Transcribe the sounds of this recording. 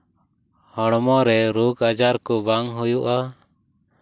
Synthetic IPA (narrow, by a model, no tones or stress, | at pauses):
hɔɽmɔɾɛɾuɡad͡ʒaɾkɔbaŋɦujuʔa